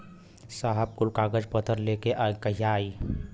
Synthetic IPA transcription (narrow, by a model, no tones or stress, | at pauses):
saːɦəb̚kʊlkaːɡəd͡ʒpət̪ʰəɾlekeʔakəɦijaːiː